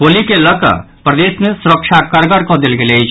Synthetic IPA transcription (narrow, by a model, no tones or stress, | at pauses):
olikeləka̰ | pɾɐd̪eːsmẽsʊɾəkʃakəɾɡəɾkod̪ɪlɡeleit͡ʃ